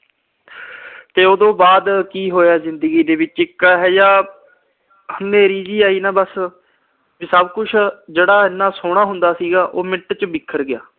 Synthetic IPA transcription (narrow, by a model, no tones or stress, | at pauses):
t̪eːoːd̪õːbaːd̪kiːɦoːjaːzɪnd̪əɡiːd̪eːʋɪt͡ʃɪkːaːɦɛːjaː | hʊnːẽːɾiːd͡ʒiːaːiːnãːbəs | ʋisəbkʊt͡ʃʰd͡ʒeːɽaːɪnːaːsoːɽ̃aːɦʊnd̪aːsiːɡaːʔoːmɪʈt͡ʃbɪkʰːəɾɡɪja̰ː